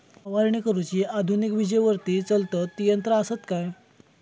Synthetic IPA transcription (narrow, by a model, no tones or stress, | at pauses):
aʋaɾɳikəɾut͡ɕiːad̪ʱunikʋid͡ʑəjʋəɾt̪iːt͡səlt̪ət̪ːijənt̪ɾəasət̪kaj